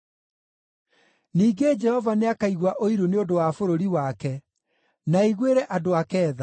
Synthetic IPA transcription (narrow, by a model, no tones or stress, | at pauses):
niːɡed͡ʒɛhɔvaneakaiɣwaʔoiɾuneodowafoɾoɾiwakɛ | naiɣweɾɛʔadoakɛːða